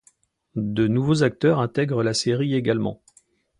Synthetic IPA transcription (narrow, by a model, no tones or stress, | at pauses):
d̪ənuvozak̚t̪œʁɛ̃t̪ɛɡʁəlaseʁieɡalmɑ̰̃